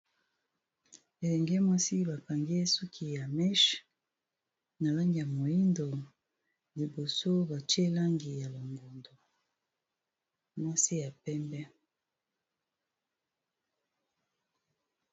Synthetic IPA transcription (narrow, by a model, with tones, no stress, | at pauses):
e˨lɛ˨ŋɡɛ˦mwa˦si˦βa˨ka˨ŋɡe˦su˦kʰi˨ja˨mɛ˦ʃ | na˨la˦ŋɡi˨ja˨mo˨ji˦ndo˨ | li˨bo˨so˦ba˨ti˦e˦la˦ŋɡi˨ja˨lo˨ŋɡo˨ndo˨ | mwa˦si˦ja˨pɛ˦mbɛ˦